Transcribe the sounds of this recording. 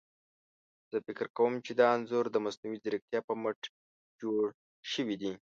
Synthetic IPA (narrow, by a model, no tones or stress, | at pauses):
z̥əfɪkɾkawəmt͡ʃed̪ɑanzuɾd̪əmasnuwiziɾik̚t̪jɑpəməʈ | d͡ʒoɽ | ʃəwid̪i